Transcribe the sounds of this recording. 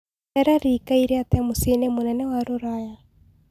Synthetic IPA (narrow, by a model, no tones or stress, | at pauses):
ɛɾaɾikaiɾeat̪ɛmosenemonɛnɛwaɾoɾaja